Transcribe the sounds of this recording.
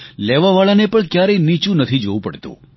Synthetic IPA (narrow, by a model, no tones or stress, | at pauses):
leʋaʋaɭanepəɳkjaɾenit͡ʃũnət̪ʰid͡ʒoʋũpəɽt̪ṵ̃